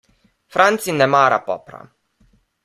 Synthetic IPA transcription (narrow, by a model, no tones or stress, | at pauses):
fɾant̪sinɛmaɾa̰pɔ̰pɾa̰